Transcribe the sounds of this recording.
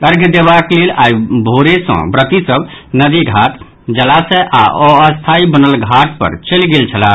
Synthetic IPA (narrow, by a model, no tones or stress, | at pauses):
kəɾɡʱd̪eβaklelaibʱoɾesə̰̃bɾət̪isəbnəd̪iɡʱat̪ | d͡ʒəlasə̃ʔaɔəst̪ʰaibənəlɡʱaʈpə̰ɾt͡ʃəlɡelt͡ʃʰəla